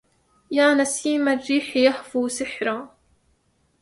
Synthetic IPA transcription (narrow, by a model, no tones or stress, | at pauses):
jaːnasiːmarːiːħjaħfuːsɪħɾˤaː